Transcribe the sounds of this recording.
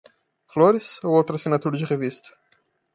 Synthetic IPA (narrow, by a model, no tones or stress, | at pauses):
floɾɪsowowt̪ɾɐsinat̪uɾɐd͡ʒɪʁevist̪ɐ̥